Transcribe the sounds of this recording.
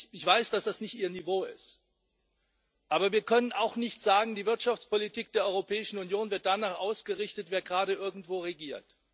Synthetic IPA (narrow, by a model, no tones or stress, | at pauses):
ɪçv̥aɪsd̥asd̥asnɪçtʔiːɐnivoːɪ̰st | ʔaːbɐviːɐkʰœnənaʊxnɪçtz̥aːɡŋ̩diːvɪɐtʃaft͡spolitʰiːk̚d̥eːɐʔɔʏʁopʰɛːɪʃn̩unjoːnvɪɐt̚d̥anaːχʔaʊsɡ̥əʁɪçtətv̥eːɐɡʁaːɾəʔɪɐɡŋ̩tv̥oːʁeɡiːɐt